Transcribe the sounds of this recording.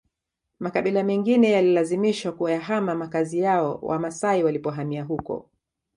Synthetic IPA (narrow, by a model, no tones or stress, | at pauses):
makaɓilamɛŋɡinɛjalilazimiʃwakuajaɦamamakazijaɔwʔa̰masaiwalipɔɦamiaɦukɔ̰